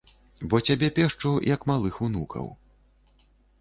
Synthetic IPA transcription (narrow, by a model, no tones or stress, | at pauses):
bɔt͡sʲabʲɛpʲɛʂt͡ʂujɐkmalˠɨxunukʰɐ̰w